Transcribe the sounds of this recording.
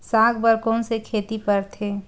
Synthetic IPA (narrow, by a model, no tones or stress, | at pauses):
sãːɡbəɾkoːnsekʰeːt̪ipəɾt̪ʰeː